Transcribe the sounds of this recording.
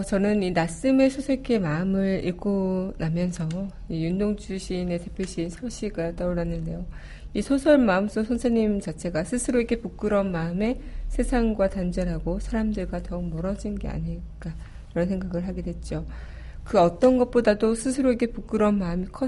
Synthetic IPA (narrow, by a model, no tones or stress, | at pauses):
t͡ɕʌnɯninas͈ɯme̞sʰosʰekʰe̞maɯmɯɭḭɭk͈ʰonamjʌnsʰʌijundoŋt͡ɕuɕʰine̞te̞pʰjoɕ͈ʰisʰʌɭɕ͈ʰiɡat͈ʌuɭːanːɯnde̞jo | isʰosʰʌɭmaɯms͈osʰʌnsʰeɲimt͡ɕat͡ɕʰe̞ɡasʰɯsʰɯɾoiɡe̞puk͈ɯɾʌnmaɯme̞sʰe̞sʰaŋɡwatand͡ʑʌɾɦaɡosʰaɾamdɯɭɡwatʌɯŋmʌɾʌd͡ʑinɡe̞̰a̰ɲiɭk͈a | kiɾʌnsʰe̞ŋɡaɡɯɭɦaɡe̞dwe̞t̚t͡ɕ͈o | kɯʌt͈ʌnɡʌt̚p͈odadosʰɯs̬ʰɯɾoiɡe̞puk͈ɯɾʌnmaɯmikʰʌ